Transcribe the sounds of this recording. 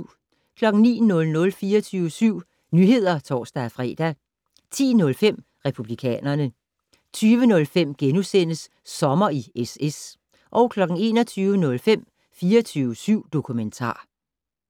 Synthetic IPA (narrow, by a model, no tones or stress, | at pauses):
kʰlɒ̽ɡ̥ŋ̩nḭːnɔ̽lnɔ̽lfiːɐt͡sʰyːʋəsyʊ̰ | nyɦe̝ð̞̰ˠɐt͡sʰɒ̰ːsd̥æfʁɛ̰ːd̥æ | t͡sʰḭːnɔ̽lfem̰ | ʁɛpʰub̥likʰɛ̰ːnɐnə | t͡sʰyːʋənɔ̽lfem̰ɡ̥enusen̰əsː | ɒ̽mɐieses | ʔɒ̽ʊkʰlɒ̽ɡ̥ŋ̩e̝̰ːnɒt͡sʰyːʋənɔ̽lfem̰ | fiːɐt͡sʰyːʊəsyʊ̰d̥o̝kʰument͡sʰɑ̰̈ː